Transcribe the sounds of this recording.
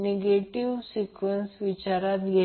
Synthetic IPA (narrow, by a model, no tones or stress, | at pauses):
neɡeʈiʋsikʋənsʋit͡ɕaɾat̪ɡʱe